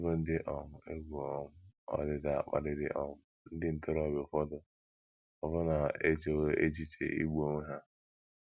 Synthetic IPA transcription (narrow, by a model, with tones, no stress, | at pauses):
bʊ˦n̩˦dɪ˦ʔɔ˨mʊ˨e˦ɡʷu˨ɔ˨mʊ˦ɔ̰˨dɪ˨da˨a˨k͡pa̰˨dɪ˦dɪ̰˦ʔɔ˦mʊ˦ | n̩˦dɪ˦n̩˨tʊ˦ɾɔ˨bɪ˨fɔ˦dʊ˨ | ɔ˨bʊ˦na˨e˦t͡ʃe˨we˦e˦t͡ʃi˦t͡ʃḛ˨ʔḭ˦ɡ͡bu˦o˦ŋʷe˦ɦa˦